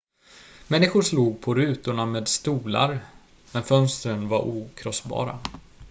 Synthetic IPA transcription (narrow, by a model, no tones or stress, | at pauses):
mɛnːɪɧʊʂluːɡ̚pʰɔɾʉ̟ːt̪ʊɳameːd̪st̪uːla̰ɾ | mɛnfœnst̪ɾənvaɾʔuːkʰɾɔsbɑ̰ːɾa̰